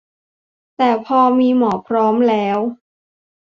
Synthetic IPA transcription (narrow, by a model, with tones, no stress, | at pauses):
t̪ɛː˨˩pʰɔː˧miː˧mɔː˩˦pʰɾɔː˦˥mlɛː˦˥w